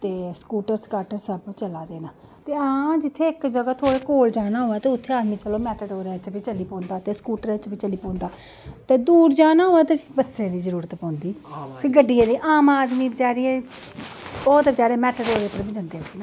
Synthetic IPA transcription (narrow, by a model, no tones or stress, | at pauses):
t̪eːskuːʈəɾskaːʈəɾsəbt͡ʃəlaːd̪eːnaː | t̪eːãːd͡ʒɪt̪ʰːeːɪkd͡ʒəɡaːt̪ʰoːɽeːkoːld͡ʒaːnaːɦoːaːt̪eːʊt̪ʰːeːaːd̪mĩːt͡ʃəloːmɛːʈəɖɦoːɾɛt͡ʃpiːt͡ʃəliːpõːnd̪aːt̪eːskuːʈəɾɛt͡ʃbiːt͡ʃəliːpõːnd̪aː | t̪eːd̪uːɾd͡ʒaːnaːɦoːaːt̪eːbəsẽːd̪iːzəɾuːɾət̪pɔ̃ːnd̪iːpʰɪɡəɖːijãːd̪iːʔaːmaːd̪miːbt͡ʃaːɾɪːɛ̃ː | bɔːt̪bd͡ʒaːɾeːmɛːʈəɖɦoːɾeːp̪əɾbid͡ʒãnd̪eːɦoiːna